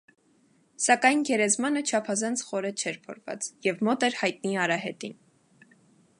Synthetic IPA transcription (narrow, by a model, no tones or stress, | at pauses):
sɑkɑjnɡɛɾɛzmɑnət͡ʃʰɑpʰɑzɑnt͡sʰχɔɾɛt͡ʃʰɛɾpʰɔɾvɑ̰t͡sjɛvmɔt̪ɛɾhɑjt̪̚niɑɾɑɦɛt̪in